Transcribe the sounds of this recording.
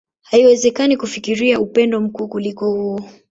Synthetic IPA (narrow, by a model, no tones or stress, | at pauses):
haiwɛzɛkanikufikiɾiaupɛndɔm̩kuːkulikɔhuɔ